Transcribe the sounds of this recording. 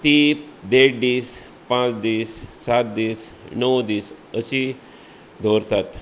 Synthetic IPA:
t̪id̪ekɖiːs | pãt͡sd̪iːsːat̪̚d̪iːsnəwd̪iːs | əɕi | d̪ʱoɾt̪at̪

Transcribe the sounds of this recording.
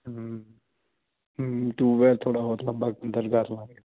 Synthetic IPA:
ʈuːʋɛɾt̪ʰoːɽaːbɔːt̪ləmbaːkənd̪əɾɡʱaɾlaːɾɡ

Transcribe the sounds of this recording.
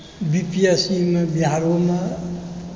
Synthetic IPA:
bipiesimebiɦaɾome

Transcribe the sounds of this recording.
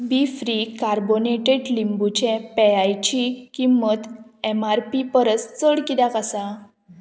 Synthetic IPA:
bifɾikaɾboneʈeɖlimbut͡ɕẽpeajt͡ɕikimːət̪ɛmaɾpipəɾət͡st͡səɽkid̪akasa

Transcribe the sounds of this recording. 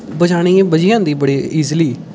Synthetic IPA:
bəd͡ʒaːɽ̃iːẽbəd͡ʒɪjãːd̪iːbəɽiːiːzliː

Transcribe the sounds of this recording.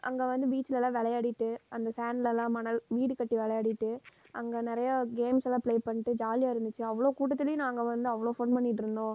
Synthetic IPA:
ʔɐ̰ŋɡeːʋɐnd̪ɯbiːt͡ʃːɯlɛlãːʋɛlɐjaːɽɪʈːɯʔɐnd̪ɐsaːnllːãːmɐnɐlʋiːɽɯkːɐʈːiʋɛɭɐjaːɽɪʈːɯ | ʔɐŋɡenɪɾɐjɐɡeːmsɛlːãːpɭeːpɐɳːɪʈːɯd͡ʒaːlɪjaːɪɾɯnd̪ɯt͡ʃːɯɐʋːɐɭoːkuːʈ̬ːɐt̪̬ːɪlɪjʊ̃nãːŋɡɐʋɐnd̪ɯɐʋːɐɭoːfoːnpɐɳːɪʈːɪɾɯnd̪õː

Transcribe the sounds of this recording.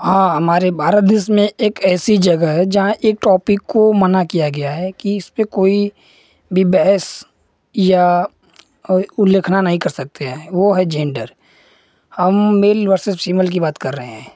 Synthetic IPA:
hãːɦɐmaːɾebʱaːɾəd̪ɪsmẽeːkɛːsid͡ʒɐɡəɦɛd͡ʒɐɦãʔeːk̚ʈɔːpɪkːomənakijaɡɐjaɦɛkiɪspekoːi | bʱibɛɦɛs | ja | ʊlːeːkʰnanɐɦĩkɐɾsɐk̚t̪eɦɛ̃ʋoɦɛd͡ʒẽːɳɖəɾ | hɐmːeːlʋəɾsɪspiːməlk̬ibaːt̪kɐɾːəɦeɦɛ̃ː

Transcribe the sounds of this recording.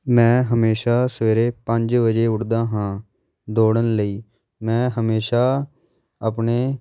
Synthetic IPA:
mɛ̃ːɦəmeːʃaːsəʋeːɾeːpəɲd͡ʒʋəd͡ʒeːʊʈd̪aːɦãː | d̪oːɽənləiː | mɛ̃ːɦəmeːʃaː | əpneː

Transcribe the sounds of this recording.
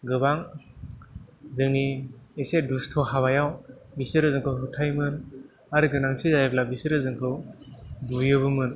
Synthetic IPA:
ɡɯbaŋ | zɯŋniesedustʰɔɦaβajawbisɯɾɯzɯŋkʰɯwɦɯtʰajmɯn | aɾɯɡɯnaŋsizajblabisɯɾɯzɯŋkʰɯwbujɯbɯmɯn

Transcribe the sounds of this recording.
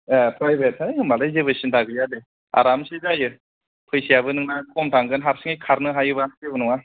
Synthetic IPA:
apʰɾajbetaɯmbalajzebɯsɯntʰaɡɯjade | a̰ɾamsezajɯ | pʰɯjsijabɯnɯŋnakʰɔmtaŋɡɯnɦaɾsɯŋajkʰaɾnɯɦajɯbasebɯnuŋa

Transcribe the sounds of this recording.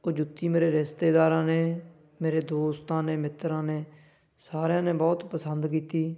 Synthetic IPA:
oːd͡ʒʊt̪ːiːmeːɾeːɾɪst̪eːd̪aːɾãːneː | meːɾeːd̪oːst̪ãːneːmɪt̪ɾãːneː | saːɾjãːneːbɔːt̪pəsənd̪k̬iːt̪iː

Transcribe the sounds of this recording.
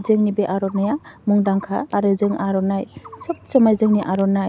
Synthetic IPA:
zɯŋnibeʔaɾɔnajamuŋdaŋkʰa̰ːɾɯzɯŋʔaɾɔnajsɯp̚sɯmajzɯŋniʔaɾɔnaj

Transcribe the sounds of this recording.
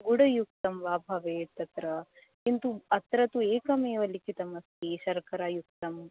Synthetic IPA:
ɡuɽɐjuk̚t̪ɐmʋaːbʱɐʋeːt̪ɐt̪ɾɐ | kint̪uɐt̪ɾɐt̪ueːkɐmeːʋɐlikit̪ɐmɐst̪iʃɐɾkɐɾaːjuk̚t̪ɐm

